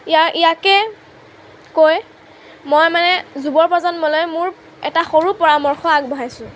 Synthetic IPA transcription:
aʔijakɛ | koj | mojmanɛzubɔɹpɔzɔntmɔlɔjmʊɹ | ɛtaxoɹupɔɹamɔɹxɔaɡ̚bɔɦajsʊ̃

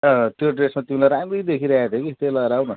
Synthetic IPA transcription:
ʌt̪joɖresmat̪imilajɾamrejd̪ekʰiɾʌaat̪ʰjokit̪ejlʌɾawnʌ

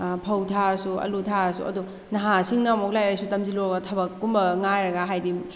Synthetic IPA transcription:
pʰɐwtʰaɾsuɐ̰lutʰaɾsṵɐ̰du | nɐɦasiŋnɐmoklajɾajsutɐmziloɾɐɡɐtʰɐbɐkːumbɐŋajɾɐɡɐɦajdim

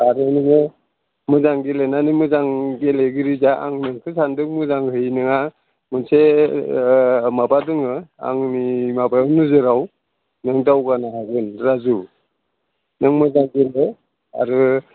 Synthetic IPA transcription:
aɾɯniŋɯ | mɯzaŋɡelenanimɯzaŋɡeleɡɯɾizaʔa̰ŋnɯŋkʰɯsandɯŋmɯzaŋhɯjnɯŋa | mɯnse | mabadɯŋɯa̰ŋnimabajawnɯzɯɾaw | nɯŋdawɡanaɦaɡɯnɾazu | nɯŋmɯzaŋɡele | a̰ɾɯ

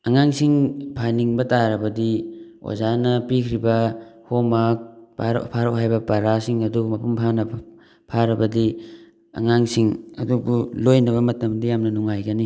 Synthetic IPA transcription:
ɐŋaŋsiŋpʰaniŋbɐtaɾɐbɐdi | o̰zanɐpikʰɾibɐhomak̚pʰaɾ̰pʰaɾowɦajbɐpaɾasiŋɐduɡumɐpumpʰanɐb | pʰaɾɐbɐdi | ɐ̰ŋaŋsiŋɐdubulojnɐβɐmɐtɐmdijamnɐnuŋajɡɐni

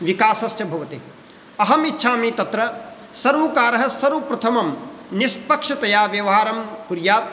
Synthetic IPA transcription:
ʋikaːsɐsjɐbʱɐʋɐt̪e | ɐɦɐmitːʃʰaːmiːt̪ɐt̪ɾɐ | sɐɾʋɐkaːɾɐɦɐsɐɾʋupɾɐt̪ʰɐmɐmnispɐkʂɐt̪ɐjaːʋjɐʋɐɦaːɾɐmkuɾjaːt̪̚

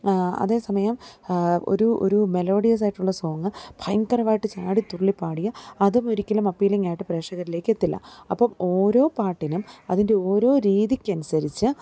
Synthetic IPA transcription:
ɐ̰ðe̞ːsɐmɐjɐm | o̰ɾuo̰ɾume̞lo̞ːɽijɐs̬aːjiʈːuɭːɐsoːŋːɐb̥ʰʱɐjŋkɐrɐʋaːjiʈːɨt͡ɕaːɽit̪uɭːipːaːɽijɐɐðumoɾikʲːɐlɐmɐpːiːjlɐŋːaːjiʈːɨpre̞ːʂɐɣɐɾile̞ːkːɨe̞t̪ːilːɐ̰ɐpːɐmo̞ːɾo̞ːpaːʈːinumɐðinde̞o̞ːɾo̞ːɾiːðikʲːɐnusɐɾit͡ɕːɨ

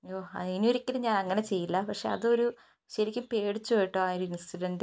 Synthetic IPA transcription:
oːɐ̰inoɾikʲːilɨɲaːnɐŋːɐne̞t͡ɕe̞jːilːɐpɐkʂe̞̰ɐ̰ðɨo̞ɾu | ɕɐɾikʲːumpeːɽit͡ɕːupoːjiʈːɨaːoɾuinsʈuɖɐnd

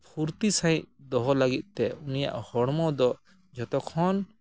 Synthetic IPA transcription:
pʰuɾt̪isãj̃d̪ɔɦɔlaɡit̪̚ˀt̪ɛunija̰ʔhɔɽmɔd̪ɔ | d͡ʒɔt̪ɔkʰɔn

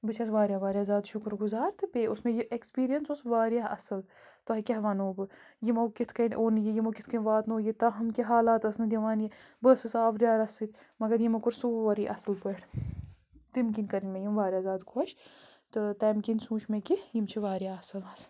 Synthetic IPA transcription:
bɨt͡ʃʰɐsʋaːɾjaːʋaːɾʲjaːzaːd̪ʃʊkɾɡʊzaːɾt̪ɨpeːʊsmẽjiʔekspiːɾijɐnsosʋaːɾjaːʔɐsɨl | t̪oɦɐkʲɐɦʋaːnoːbɨjimoːkit̪ʰkɐnʲʔoːnjijimokʲɪt̪ʰkɐnʲʋaːt̪noːjit̪ɐɦɐmkʲeɦaːlaːt̪ɐsnɨd̪ʲɐʋaːnje | bəːsɨsaːʋɾʲjaːɾɐsɨt̪ʲmɐɡɐɾjimɐkʊɾsuʋɐɾiʔɐsɨlpəʈʰ | t̪imkinʲkɐɾinʲmẽjimʋaːɾjaːzaːd̪kʰoʃt̪ɨt̪ɐːmkinsũːʃʰmẽkijimt͡ʃʰiʋaːɾjaːɐsɨlɐs

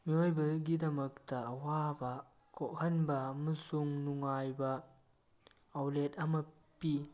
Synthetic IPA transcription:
miojbɐɡidɐmɐk̚tɐːwabɐ | kʰoʔhɐnbɐːmɐsuŋnuŋajbɐ | wletɐmɐ | pi

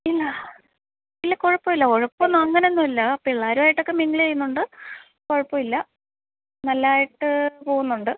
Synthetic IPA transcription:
ilːɐ | ilːɐkoɻɐpːoʋilːɐkoɻɐpːonːuɐŋːɐnenːumilːɐɐpːoiɭːaːɾumaːjiʈːo̞kːe̞miŋɡɐɭt͡ɕejunːuɳɖɨ | koɻɐpːomilːɐ | nɐlːaːjiʈːɨpo̞ːɣunːuɳɖɨ

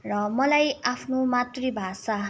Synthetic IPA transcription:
rʌmʌlajapʰnomat̪ribʱasa

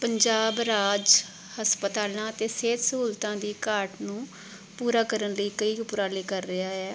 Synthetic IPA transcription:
pəɲd͡ʒaːbɾaːd͡ʒ | həspət̪aːlãːət̪eːseːt̪səuːlt̪ãːd̪iːkaːɾʈnũː | puːɾaːkəɾənləiːkəiːʊpʊɾaːleːkəɾːɪaːɛː

